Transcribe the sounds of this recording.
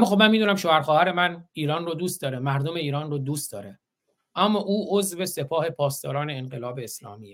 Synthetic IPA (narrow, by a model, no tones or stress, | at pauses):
æmːɒːxob̚mænmiːd̪uːnæmʃoːhæɾxɒːhæɾe̞mæniːɾɒːnrod̪uːst̪̚d̪ɒːɾemæɾd̪ome̞iːɾɒːnrod̪uːst̪d̪ɒːɾe | ʔæmːɒːʔuːʔozve̞se̞pʰɒːhe̞pʰɒːst̪ɒ̰ːɾɒːne̞ːnɢelɒːbeːslɒ̰ːmiːje